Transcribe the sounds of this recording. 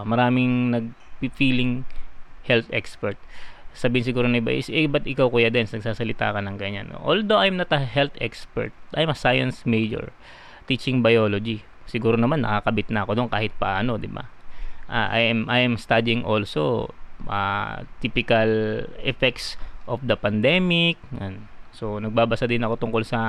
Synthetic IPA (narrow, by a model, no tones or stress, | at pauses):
mɐɾaːmɪŋnɐɡ̚ | pifiːlɪŋhɛlt̪ʔɛkspɛɹt̪̚sabiːɪnsɪɡuːɾonɪba̰ʔɪsbɐt̪ʔɪkawkuːjad̪ɛnsnɐɡ̚saːsɐlɪt̪a̰ːkɐnɐŋɡɐɲa̰nʔo̰ʔold̪oʔɐjmnɐt̪ɐɦɛlt̪ɛkspɛ̰ɹt̪̚ʔajmɐsajɐ̰nsmejd͡ʒɛ̰ɹ | t̪it͡ʃɪŋbɐjoːlod͡ʒi | sɪɡuːɾonɐmanːɐ̰kakɐbɪt̪̚nɐʔɐko̞d̪onkaːhɪt̪̚pɐaʔaːno̞d̪ɪba̰ʔa̰ʔa̰jmʔajɛmst̪ad̪ɪŋʔolso̰ʔa̰t̪ipɪkɐlʔɛfɛk̚t̪sʔofd̪ɐpɐnd̪ɛmɪk̚onso̞nɐɡ̚baːbɐsad̪ɪnɐko̞t̪ʊŋko̞lsɐ